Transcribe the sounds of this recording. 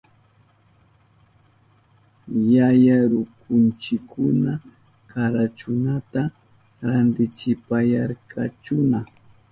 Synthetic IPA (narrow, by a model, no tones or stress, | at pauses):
jajaɾʊkʊnt͡ʃɪkʰːʊna | kaɾat͡ʃʊnat̪a | ɾand̪ɪt͡ʃɪpajaɾkʰat͡ʃʊna